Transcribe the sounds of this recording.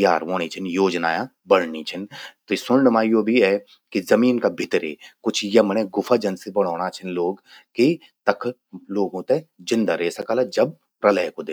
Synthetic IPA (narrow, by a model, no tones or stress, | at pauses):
jaːɾʋoːnit͡ʃʰɪnjoːd͡ʒnaːjã | bɐɽ̤nit͡ʃʰɪnt̪osʊnnəmaːijobʱiɛ | kizɐmiːnkabʱɪt̪ɾḛːkʊt͡ʃʰjɐmənɛɡʊfʰad͡ʒɐnsebɐɽ̤aːɽ̃at͡ʃʰɐnloːɡ | ki | t̪ɐkʰ | loːɡõːt̪ed͡ʒɪ̃nd̪aɾeːsɐkaːlad͡ʒɐb̚ | pɾɐləɦkod̪eː